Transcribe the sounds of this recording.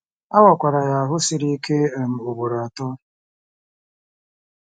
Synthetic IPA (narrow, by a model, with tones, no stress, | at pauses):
a˦wɔ˨kʷa˨ɾa˨ja˨ɦʊ˦si˦ɾi˦ke˦˨n̩˨u˨bu˨ɾa˨tɔ˦